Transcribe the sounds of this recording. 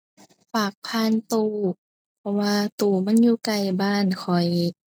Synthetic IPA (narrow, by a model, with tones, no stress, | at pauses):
faː˨˩k̚pʰaː˧˥˨nt̪uː˧˩ | pʰɔ˧waː˧t̪uː˧˩ma˧˥˨njuː˧˨ka˧˩jbaː˧˥˨nkʰɔ˨˩j